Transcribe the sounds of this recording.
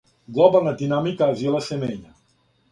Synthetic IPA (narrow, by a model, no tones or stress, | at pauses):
ɡlɔbalˠnad̪inamikaːvjɔlasemɛɲa